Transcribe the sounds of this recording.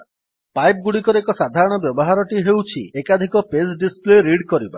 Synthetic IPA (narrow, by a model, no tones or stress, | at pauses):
pajp̚ɡuɽikɔɾekɔsad̪ʱaɾɔɽ̃ɔbjɔbɔɦaɾɔʈiɦewt͡ʃʰḭekad̪ʱikɔpesɖispleɾiɽkɔɾiba̰